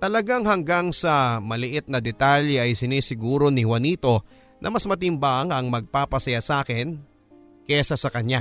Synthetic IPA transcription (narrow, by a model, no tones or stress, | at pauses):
t̪ɐlɐɡaŋhɐŋɡaŋsɐmɐlɪʔɪt̪̚nɐd̪ɛt̪aljɛʔɐjsɪnisɪɡuːɾo̞nɪhwɐniːt̪o̞ | nʔɐ̰mɐsmɐt̪̬ɪmbaŋɐŋmɐɡ̚paːpɐsɐjasaːkɪn | kɛsɐsɐkɐɲa